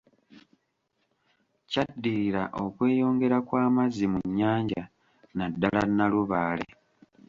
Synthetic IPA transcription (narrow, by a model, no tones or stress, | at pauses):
cadːiɾiɾaʔo̞kwe̞ːjo̞ːŋɡe̞ɾakwaːmazimuɲːaːɲɟa | nadːalanːaluβaːle̞̰